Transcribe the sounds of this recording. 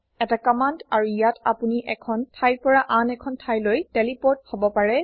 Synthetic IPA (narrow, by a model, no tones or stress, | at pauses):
ɛtakɔmandaɹujata̰puniʔɛkʰɔntʰajɹpɔɹaʔanɛkʰɔntʰajlojtɛlipɔt̚hobɔpaɹɛ